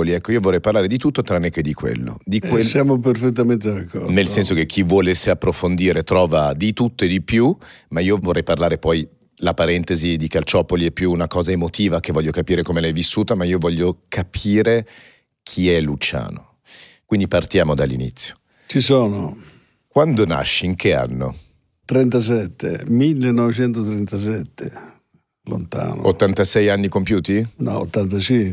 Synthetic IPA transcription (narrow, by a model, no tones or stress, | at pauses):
liɛkːoiovorːɛjparlaːɾed̪it̪ut̪ːot̪ɾanːeked̪ːikwḛlːo̰d̪ikwesjaːmop̬erfet̪̬ːament̪ed̪akːɔɾnelsɛnsok̟ekʰːivwɔːleseapːɾofond̪iːɾet̪ɾɔːvad̪it̪ut̪ːoed̪ipjumaiːovorːɛjparlaːɾepɔj | lapaɾɛnt̪ezid̪ikalt͡ʃɔpoliɛpːjuːnakɔːzaemot̪iːvak̟evːɔʎːokapiːɾekomelɛjvisːuːt̪amaiːovɔʎːokʰapʰiːɾe | k̟ʰiɛlut͡ʃa̰ːno̰ | kwind̪ipart̪jaːmod̪alːinḭt̪sːjo̥ | t͡ʃisoːno | kwand̪ona̰ʃːiiŋk̟ea̰nːo̰ | t̪ɾɛnt̪as̬ɛt̪ːḛmilːenɔvet͡ʃɛnt̪ot̪ɾɛnt̪as̬ɛt̪ʰːe | lo̰nt̪a̰ːno̰ot̪ːant̪asɛjanːikompjuːt̪inɔ̰o̰t̪ːant̪at͡ʃi